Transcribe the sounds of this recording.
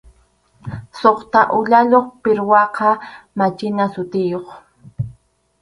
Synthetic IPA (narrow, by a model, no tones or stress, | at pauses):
soχt̪aʔʊʎaʎoχpɪɾwɑqɑmat͡ʃɪnasʊt̪ɪjoχ